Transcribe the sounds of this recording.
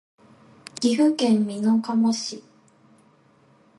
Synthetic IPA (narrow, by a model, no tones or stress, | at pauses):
ɡ̥ʲiɸɯ̟kẽmːʲinokamoɕi